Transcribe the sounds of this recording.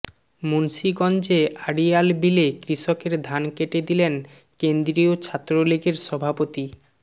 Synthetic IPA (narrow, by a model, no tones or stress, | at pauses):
munʃiɡɔnd͡ʑeʔaɽialbilekɾiʃokeɾd̪ʱankeʈed̪ilen | kend̪ɾiot͡ɕʰat̪ːɾoliɡeɾʃɔbʱapot̪i